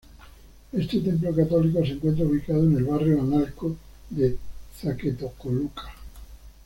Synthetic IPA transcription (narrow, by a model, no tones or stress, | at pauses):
est̪et̪e̞mp̬lokat̪olikoseŋkwe̞nt̪ɾauβikað̞oenelβarjoanalko | ðeθaket̪okolukḁ